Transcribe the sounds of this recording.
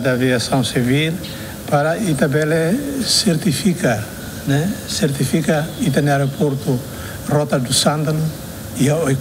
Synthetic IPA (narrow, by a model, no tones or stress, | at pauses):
d̪aviasãw̃sivil | paɾait̪abɛleseɾt̪ifika | nɛseɾt̪ifikait̪aneaɾopʰɔɾt̪u | rɔt̪ad̪usãnd̪anu | iaoj